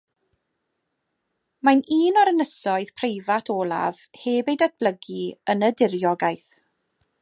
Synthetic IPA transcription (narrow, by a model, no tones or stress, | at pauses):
maniːnɔɾənəsɔɨð̥pʰrejvatʰɔːlˠa̰v̥heːbejdat̚b̥ləɡiənədɪrjɔɡajθ